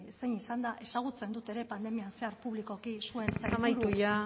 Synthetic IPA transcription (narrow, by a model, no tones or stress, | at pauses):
sejnisand̪aʔe̞saɣ̞ut͡se̞nd̪ut̪e̞ɾe̞pand̪e̞mianse̞aɾpuβ̞liko̞kisue̞nseamajɾt̪uja